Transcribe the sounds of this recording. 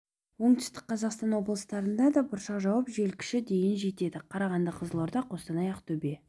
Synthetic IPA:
wo̞ɴt̪ʏ̥st̪ɪ̥k̚qʰɑzɑqst̪ɑnwo̞blˠəst̪ɑɾənd̪ɑd̪ɑbʊɾʃɑqʒɑwɑpʒe̞lkʲɪ̥ʃɪd̪e̞jɪnʒe̞t̪e̞d̪ɪqʰɑɾɑʁɑnd̪əqʰəzəlˠoɾd̪ɑqʰo̞st̪ɑnɑjɑqt̪ʰɵbe̞

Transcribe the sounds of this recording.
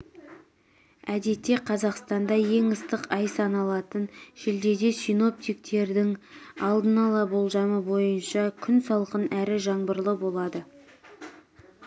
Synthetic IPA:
æd̪e̞t̪ːe̞qʰɑzɑqst̪ɑnd̪ɑje̞ŋəst̪əqɑjsɑnɑlˠɑt̪ənʒɪld̪e̞d̪e̞sijno̞p̚t̪ijk̚t̪e̞ɾd̪ɪŋɑlˠd̪ənɑlˠɑbo̞lˠʒɑməbo̞jənʃɑkʲʰʏnsɑlˠqənæɾɪʒɑɴbəɾlˠəbo̞lˠɑd̪ə

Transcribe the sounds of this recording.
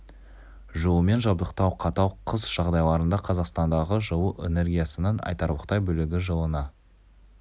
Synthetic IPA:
ʒuwˠəme̞nʒɑbd̪əqt̪ɑwqʰɑt̪ɑwqʰəzʒ̥ɑʁd̪ɑjlˠɑɾənd̪ɑqʰɑzɑqst̪ɑnd̪ɑʁəʒəwuʔe̞̰ne̞rɡʲijasənəɴɑ̰jt̪ɑɾbəqt̪ɑjbɵlɪɡʲɪʒəlˠənɑ

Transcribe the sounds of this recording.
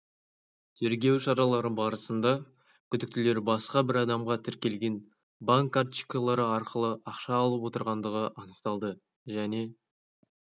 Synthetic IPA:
t̪ʰeɾɡʲe̞wʃɑɾɑlˠɑɾəbɑɾəsənd̪ɑ | kʲʰʏd̪ɪk̚t̪ɪle̞ɾbɑsqɑbɪɾɑd̪ɑmʁɑt̪ʰɪɾkʲe̞lɡʲe̞n | baŋkːari̥kolˠɑɾəɑɾqəlˠəʔɑqʃɑːlˠəpwo̞t̪əɾʁɑnd̪əʁəʔɑnəqt̪ɑlˠd̪ə | ʒæne̞

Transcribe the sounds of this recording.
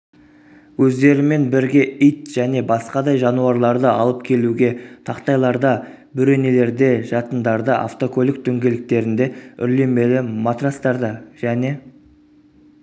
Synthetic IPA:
wɵzd̪e̞ɾɪme̞nbɪɾɡʲe̞ijt̪ʒ̥æne̞bɑsqɑd̪ɑjʒɑnuɑɾlˠɑɾd̪əɑlˠəp̚kʲʰe̞luɡʲe̞t̪ʰɑqt̪ɑjlˠɑɾd̪ɑ | bʏɾe̞ne̞le̞ɾd̪e̞ʒɑt̪ənd̪ɑɾd̪əʔa̰ft̪o̞kʰo̞lʲˠɪk̚t̪ʰɵŋɡʲe̞lɪk̚t̪e̞ɾɪnd̪e̞ʏ̰ɾle̞me̞lɪmat̪rast̪ɑɾd̪əʒ̥æne̞

